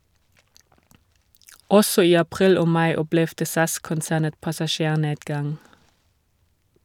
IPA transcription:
ˈɔsɔ ˈiː ɑˈpʁiːl ˈoː ˈmɑɪ ˈɔplɛʋdə ˈsɑskʊnˌsæːnə pɑsɑˈʃeːˌneːdɡɑŋ

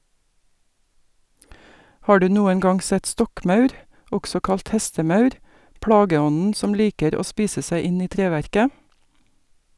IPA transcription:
ˈhɑː ˈɖʉː ˈnuːən ˈɡɑŋ ˈsɛt ˈstɔkˌmɑʉɾ ˈɔɡsɔ ˈkɑlt ˈhɛstəˌmɑʉɾ ˈpɽɑːɡəˌɔnn̩ ˈsɔm ˈliːkəɾ ˈoː ˈspiːsə ˈsæɪ ˈɪn ˈiː ˈtɾeːˌʋæɾkə

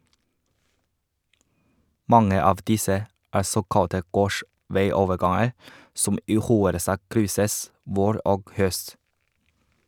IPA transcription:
ˈmɑŋə ˈɑːʋ ˈdɪsə ˈæː ˈsoːkɑtə ˈɡoːʃʋæɪˌoːʋəˌɡɑŋəɾ ˈsʊm ˈiː ˈxuːəɾəˌsɑːk ˈkɾʏsəs ˈʋoːɾ ˈʔoːɡ ˈhœst

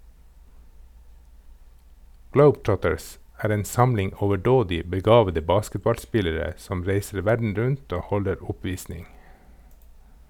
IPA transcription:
ˈɡləʊbˌtɹɔtəɹs ˈæːɾ ˈeːn ˈsɑmlɪŋ ɔʋəˈɖoːdɪ bəˈɡɑːʋədə ˈbɑːskətbɑlˌspɪləɾə ˈsɔm ˈɾeɪsəɾ ˈʋæɖɳ̩ ˈɾʉnt ˈoː ˈhɔləɾ ˈʊˌpʋiːsnɪŋ

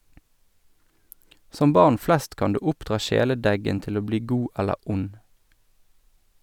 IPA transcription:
ˈsɔm ˈbɑʁn ˈflɛst ˈkɑn ˈdʉː ˈʊpdʁɑː ˈʃeːləˌdɛɡən ˈtɪl ˈoː ˈbliː ˈɡuː ˈɛlə ˈʊn

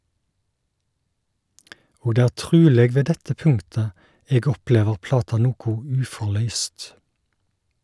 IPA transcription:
ˈoː ˈdeː ˈæː ˈʈʁʉːleːɡ ˈʋeː ˈdɛtə ˈpʉŋtə ˈeːɡ ˈɔˌpleːʋəʁ ˈplɑːtɑ ˈnuːkʊ ˈʉːfɔˌɭœʏst

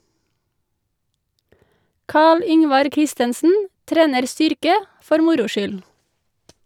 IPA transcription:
ˈkɑːɭ ˈʏŋʋɑɾ ˈkɾɪstənsn̩ ˈtɾeːnəɾ ˈstʏɾkə ˈfɔɾ ˈmʊɾʊ ˈʃʏl

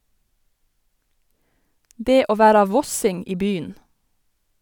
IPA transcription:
ˈdeː ˈoː ˈʋæɾɑ ˈʋɔsɪŋ ˈiː ˈbyːn

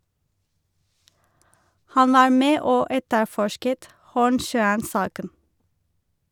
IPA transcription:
ˈhɑn ˈʋɑːɹ ˈmeː ˈoː ˈɛtəˌfɔʃkət ˈhuːɳˌʃœənˌsɑːkən

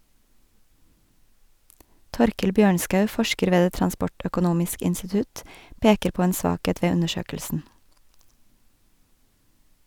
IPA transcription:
ˈtɔɾkəl ˈbjøːɳskɑʉ ˈfɔʃkəɾ ˈʋeː ˈdeː tɾɑnˈspɔʈœkʊˌnuːmɪsk ɪnstɪˈtʉt ˈpeːkəɾ ˈpoː ˈeːn ˈsʋɑːˌkeːt ˈʋeː ˈʉnəˌʃøːkəlsn̩

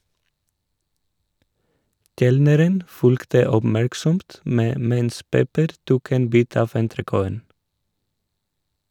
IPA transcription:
ˈkɛlnəɾən ˈfʉlktə ɔbˈmæɹksɔmt ˈmeː ˈmɛns ˈpɛpəɾ ˈtuːk ˈeːn ˈbiːt ˈɑːf ɛntɾəˈkoːən

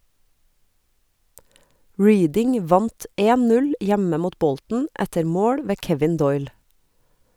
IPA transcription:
ˈɹiːdɪŋ ˈʋɑnt ˈeːn ˈnʉl ˈjæmə ˈmuːt ˈbɔltn̩ ˈætəɾ ˈmoːɽ ˈʋeː ˈkɛʋɪn ˈdɔʏl

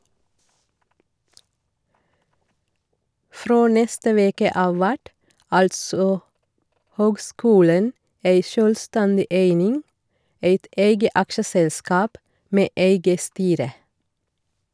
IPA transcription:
ˈfɾoː ˈnɛstə ˈʋeːkə ˈʔɑːʋ ˈʋæʈ ˈɑltsɔ ˈhøːɡˌskʉːlən ˈeɪ ˈʃøːlˌstɛndɪ ˈeɪnɪŋ ˈeɪt ˈʔeɪɡə ˈɑkʃəsɛlˌskɑːp ˈmeː ˈeɪɡə ˈstyːɾə

